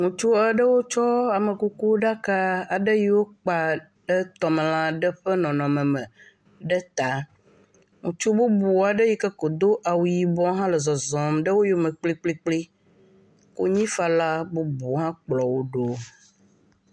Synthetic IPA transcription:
ŋũ˨t͡ʃu˦ɛ˦ɖə˦wo˦t͡ʃɔ˦a˨mə˨ku˦ku˦ɖa˦ka˦a˨ɖə˦ji˦wo˦k͡pa˨ | ɖə˦t̪ɔ˨m˨lã˦ɖə˦ɸə˦nɔ̃˨nɔ̃˨mə̃˨mə̃˨ | ɖə˦t̪a˨ | ŋũ˨t͡ʃu˦bu˦bu˨a˨ɖə˦ji˦kə˦ko˨d̪o˦ʔa˨wu˨ji˨bɔ̃˦ɦã˦lə˨zɔ˨zɔ̃˨mɖə˦wo˦jo˦mə̃˨k͡pli˦k͡pli˦k͡pli˦ | ko˦ɲĩ˦fa˨la˦bo˦bu˨˦ɦã˦k͡plɔ˨wo˦ɖo˦

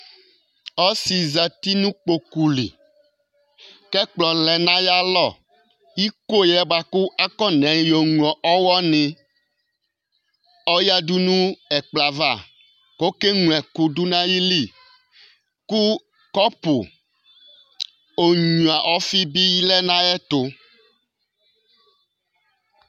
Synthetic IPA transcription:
ɔ˦si˨za˨t̪i˦nũ˦k͡po˨ku˨lḭ˨ | kɛ˦k͡plɔ˨lɛ˨nã˦ja˦lɔ˦˨ | ji˦ko˦jɛ˦ba˨ku˦ʔa˦kɔ˦nɛ̃˨˦jo˨ŋũ˨ɔ˨ʔɔ˦wɔ˦nẽ˨ | ɔ˦ja˦du˦nũ˦ɛ˨k͡pla˨va˦˨ | ko˦ke˦ŋũ˨ɛ˨ku˨du˦nã˦ji˦li˦˨ | ku˦ | kɔ˦po̰˨ | o˨ɲũ˨a˨ʔɔ˦fi˦bi˦ji˦lɛ˦nã˦ɛ˦t̪o˨

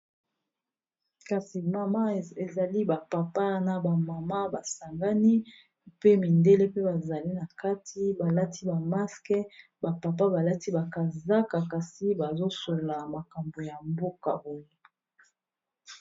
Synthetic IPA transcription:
ka˨si˨ma˨ma˦e˨za˨li˦ba˨pa˨pa˦na˨ba˨ma˨ma˦ba˨sa˨ŋɡa˦ni˦ | pe˦mi˨nde˦le˦pe˦ba˨za˨li˦na˨ka˦tʰi˦ba˨la˦tʰi˦ba˨ma˦skɛ˦ | ba˨pa˨p̬a˦ba˨la˦ti˦ba˨ka˨za˦ka˨ka˨si˦ba˨zo˦so˨la˨ma˨ka˨mbo˨ja˨mbo˦ka̰˨bo˨je˦

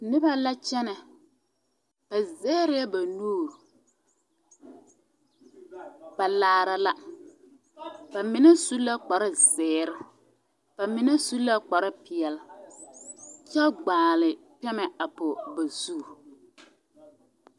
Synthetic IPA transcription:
nɪ˦ba˦la˦t͡ʃɛ˦nɛ˨ | b̥a˨zɛː˦ɾɪ˦a˦ba˨nuː˦˨ | b̥a˨laː˨˦˨ɾa˨la˦ | b̥a˨mɪ˨nɛ˦su˦la˦k͡pa˨ɾɪ˦zɛː˨˦˨ɾɪ˦ | b̥a˨mɪ˨nɛ˦su˦la˦k͡pa˨ɾɪ˦pɪ˨ɛ˨l | t͡ʃɛ˦ɡ͡baː˨lɪ˨pɛ˦mɛ˨a˨pʊ˨ba˨su˦˨

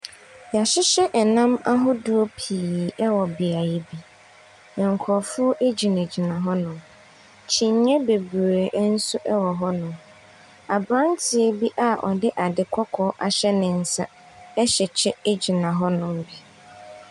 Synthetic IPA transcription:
ja˨ɕɪ˦ɕɛ˦ʔɛ˨nã˦ma˦ɦʊ˦du˦o˦pʰiː˨ɛ˦wɔ˨bi˨a˨je˦bi˦ | ɛ̃˨ŋ̩˨kʰɔ˨fʊ˦ɔ˦ʔe˦d͡ʑi˨ne˨d͡ʑi˨nã˨ɦɔ˦nʊ̃˨m | t͡ɕʰĩ˨ɲ˦ɲɛ̃˦be˨bu˨ɾe˨ʔn̩˦sʊ˦ʔɛ˦wɔ˨ɦɔ˦nʊ̃˨m | a˨bɾã˦n˦tʰɪ˨e˦bi˦ʔa˨ʔɔ̰˨dɪ˦ʔa˨dɪ˨kʷʰɔ˦kʰɔ˦ʔa̰˨ɕɛ˦nɪ̃˨n̩˨sa˦ | ɛ˦ɕɛ˨t͡ɕʰɛ˦e˦d͡ʑi˨nã˨ɦɔ˦nʊ̃˨mbɛ˨

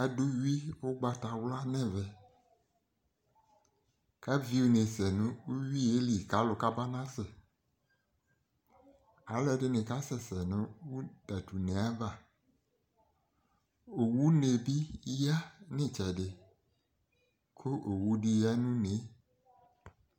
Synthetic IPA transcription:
a˨dʊ˦ɥi˦wʊ˦ɡ͡ba˨ta˨wla˦nɛ̃˨vɛ˨ | ka˦vi˦u˨ne˨sɛ˨nʊ̃˦u˦ɥi˦e˦li˨ka˦lʊ˨ka˦ba˦nã˦sɪ˨ | a˨˦lɛ˦dɪ˦nɪ̃˨ka˦sɛ˨sɛ˨nʊ̃˨˦wu˦da˨tu˨ne˨a˦va˨ | o˨wu˦ne˨bi˦ja˦nɪ̃˦t͡ʃɛ˨ɖɪ˨ | kʰʊ˦ʔo˨wu˦di˦ja˦nũ˦ne˨˦

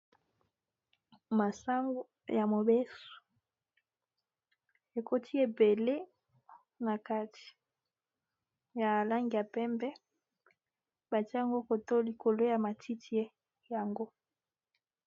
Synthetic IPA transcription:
ma˨sa˦ŋɡo˦ | ja˨mo˨be˦so̥˨ | e˨ko˦tʰi˦e˨be˨le˦ | na˨ka˦ti̥˨ | ja˨la˦ŋɡi˨ja˨pɛ˦mbɛ˦ | ba˨tja˨ŋɡo˦ko˨to˦li˨kʰo˨lo˦ja˨ma˨tʰi˦tʰi˦e˦ | ja˨ŋɡo˦

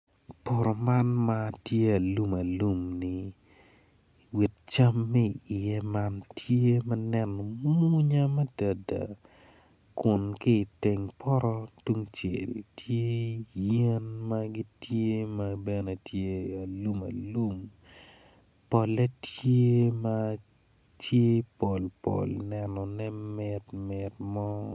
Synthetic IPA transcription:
pɔ˨ɾɔ˨ma˦nma˦tje˦ɐ˨lu˦mɐ˨lu˦mni | wi˨t̚t͡ʃa˦mːɛ˦˨ɪ˨jɛ˦ma˦ntje˦mɐ˦nɛ˦nɔ˨mu˦ɲa˦mɛ˦da˨da̰˨ | kʊ˨nkɪː˦˨te˨ŋpʰɔ˦ɾɔ˦tu˦ŋt͡ʃḛ˨ltʰje˦jɛ˦nmɐɡi˦tje˦mɐbɛne˨tʰje˦a˨lu˦mɐ̰˨lu˦m | pɔ˨lɛ˦tje˦mɐ | tʰje˦pɔ˨lpo̰˨lnɛ˨nɔ˨nɛ˦mɪ˨tmɪ˨tmɔ˦

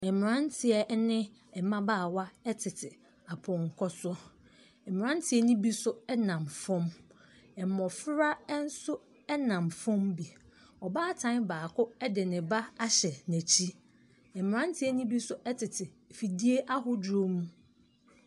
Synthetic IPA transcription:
ɛ˨m˨ɾã˦ntʰɪ˨ɛ˨˦nɪ̃˦ɛ˨mã˦baː˦˨wa˦ɛ˦tʰɪ˨tʰɪ˨ | a˨pʰɔ̃˨ŋ˨kʰɔ˦sʊ˦ | ɛ˨m˨ã˦n˦tʰɪ˨˦ɛ˦nʊ̃˦bi˦sʊ˦ɛ˦nã˨mfɔ̃˦m | ɛ˨mɔ̃˨fɾa˦n̩˦sʊ˦ | ɛ˦nã˨mfɔ̃˦mbi˨ | ɔ˨baː˦˨tʰã˦nbaː˨kʰʊ˦ɛ˦dɪ˨nɪ̃˨ba˦a˦ɕɛ˨næ˨t͡ɕʰi˦ | ɛ˨m˨ɾã˦n˦tʰɪ˨˦ɛ˦nʊ̃˦bi˦sʊ˦ʔɛ˦tʰɪ˨tʰɪ˨fi˨di˦e˦ʔa˦ɦʊ˦dɾo˦mũ˦

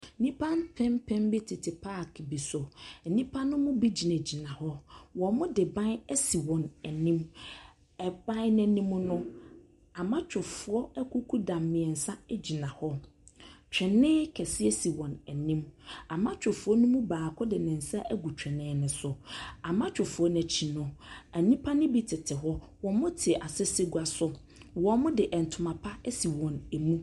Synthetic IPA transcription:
nĩ˦pʰã˦npʰɛ̃˦mpʰɛ̃˦mbɪ˦tʰɪ˨tʰɪ˨pʰa˦˨kʰbi˨sɔ˨n̩˨nĩ˦pʰã˦nːʊ̃˦mʊ̃˦bi˦d͡ʑi˨næ̃˨d͡ʑi˨nã˨hɔ˦wɔ̃˨mʊ̃˦dɪ˨bã˦nɛ˦si˨wɔ̃˨næ˨nĩ˦m | ɛ˨b̥ã˦n˦nɛ̃˦nĩ˦mʊ̃˦nʊ̃˦ | a˨mã˦t͡ɕʰᶣʊ˨fʊ˨ɾɔ˦ɛ˦kʰu˦kʰu˦dã˨mːɪ̃˨ɛ˨n̩˨sa˦ɛ˦d͡ʑi˨nã˨hɔ˦ | t͡ɕᶣɛ˨nːɪ̃ː˦kʰɛ˨sɪ˦e˦si˨wɔ̃˨nɛ˨nĩ˦ma˨mã˦t͡ɕʰᶣʊ˨fʊ˨ɔ˦nʊ̃˦mʊ̃˦baː˨kʰɔ˦dɪ˨nɪ̃˨n̩˨sa˦ʔæ˦ɡu˨t͡ɕᶣɛ̃˨nɪ̃ː˨˦nʊ̃˨sʊ˨a˨mã˦t͡ɕʰᶣʊ˨fʊ˨ɔ˦n˨ɛ˨t͡ɕʰi˨nʊ̃˨æ˨nĩ˦pʰa˦nɪ̃˦bi˦tʰɪ˨tʰɪ˨ɦɔ˦ | wɔ̃˨mʊ̃˦tʰɪ˨ʔa˨sɪ˦se˦ɡu˦a˨sʊ˦ | wɔ̃˨mʊ̃˦dɪ˨ʔɛ˨n̩˨tʰʊ˨mã˨pʰa˦ɛ˦si˨wɔ̃˨næ˨mũ˦

